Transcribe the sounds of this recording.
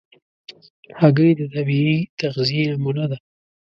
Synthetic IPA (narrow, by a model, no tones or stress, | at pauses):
haɡəjd̪ət̪abiit̪aɣzijeamulad̪a